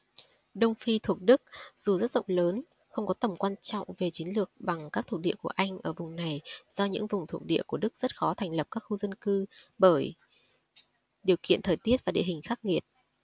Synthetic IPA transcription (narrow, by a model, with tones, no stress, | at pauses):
ɗə˧wŋ͡mfi˧t̪ʰu˨˩ək̚ɗɨ˦˥k̚z̥u˨˩zə˦˥t̚zə̰˧˨wŋ͡mləː˨˦n | xə˧wŋ͡mkɔ˨˦t̪ə˨˩mkwaː˧nt͡ɕɔ̰˧˨wŋ͡mve˨˩t͡ɕi˨˦nlɨ˨˩ək̚ɓa˨˩ŋkaː˦˥k̚t̪ʰk̚ɗḭ˧˨əku˧˩əʔa˧jŋ̟ʔəː˧˩vʊ˨˩ŋ͡mna˨˩jz̥ɔ˧ɲɨ̰˧˥ŋvʊ˨˩ŋ͡mt̪ʰu˨˩ək̚ɗḭ˧˨əku˧˩əɗɨ˦˥k̚z̥ə˦˥t̚xɔ˨˦t̪ʰa˨˩jŋ̟lə˨˩p̚kaː˦˥k̚xu˧zə˧nkɨ˧ɓəː˧˩j | ɗi˨˩əwkḭ˧ənt̪ʰəː˨˩jt̪i˦˥ət̚vaː˨˩ɗḛ˧˨hï˨˩ŋ̟xaː˦˥k̚ŋi˨˩ət̚